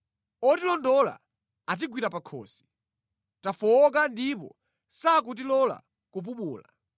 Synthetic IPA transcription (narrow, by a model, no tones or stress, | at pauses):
ɔtilɔndɔla̰ | at̬iɡwiɾapakʰɔ̰ːsi̥ | tafɔkandipɔ̰ | sak̬ut̬ilɔla̰ | kup̬umuːla